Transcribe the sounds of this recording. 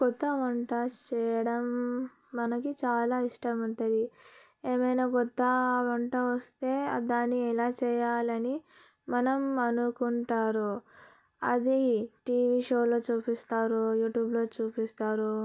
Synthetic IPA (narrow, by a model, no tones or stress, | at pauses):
kɔt̪ːɐʋɐɳʈat͡ʃɛːjɐɽɐmː | ɐnɐkit͡ʃaːlaːiʂʈɐmuɳʈɐd̪i | eːmɐjnaːkɔt̪ːɐʋɔɳʈɐʋɐst̪e̞ːd̪aːnːiɛlaːt͡ʃɛːjaːlɐni | mɐnɐmɐnukuɳʈaːɾu | ɐ̰d̪iʈiːʋiːʂo̞ːlo̞ːt͡ʃuːpist̪aːɾujuːʈjuːblo̞ːt͡ʃuːpist̪aːɾu